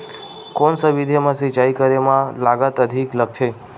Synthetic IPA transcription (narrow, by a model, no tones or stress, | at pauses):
konsəʋid̪ʱemãsit͡ʃaikəɾemãlaɡət̪əd̪ʱiklək̚t͡ʃʰe